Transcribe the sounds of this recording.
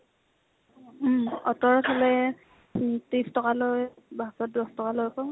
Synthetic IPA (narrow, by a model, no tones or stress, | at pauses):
ɔtɔɹkʰalɛ | tistɔkaloj | basɔt̚dɔstɔkalojkɔ